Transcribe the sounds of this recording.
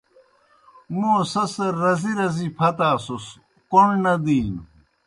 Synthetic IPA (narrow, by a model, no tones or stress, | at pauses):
moːsɐsɐːɐziɾɐzipʰɐt̪aːsos | koɳnɐd̪iːn